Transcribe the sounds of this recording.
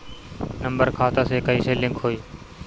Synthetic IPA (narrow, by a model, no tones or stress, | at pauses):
nəmbəɾkʰaːt̪aːseːkəiːseːlɪ̃ŋkʰɦoːiː